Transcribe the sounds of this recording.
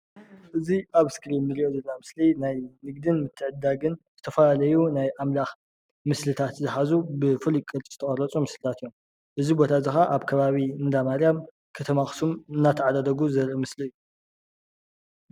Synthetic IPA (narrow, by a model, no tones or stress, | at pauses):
ʔɨziʔaβskɾinːɨɾiʔozɐlnamɨslinajnɨɡ̚d̪ɨnmɨt̪ʰːɨʕɨd̪ːaɡɨnz̥ɨt̪ʰɐfɐlalɐjunajʔamlax | mɨslɨt̪ʰat̪zɨħazubɨfulikʼːɨɾt͡ʃʼzɨt̪ʰɐχʼɐɾɐt͡sʼumɨslɨt̪ʰat̪ɨjːom | ʔɨzibo̞t̪ʰazɨxaʔaβkʰɐβaβinɨd̪amaɾjam | kʰɐt̪ʰɐmaxsumɨnːat̪ʰɐʕad̪ad̪ɐɡuzɐɾɐmɨsliɨju